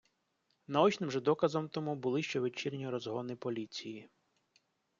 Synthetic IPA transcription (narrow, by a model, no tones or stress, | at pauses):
nɐɔt͡ʃnɪmʒɛd̪ɔkɐzɔmt̪ɔmubʊlˠɪʃt͡ʃɛʋet͡ʃirʲnʲiɾɔzɦɔnɪpɔlʲit͡sʲiji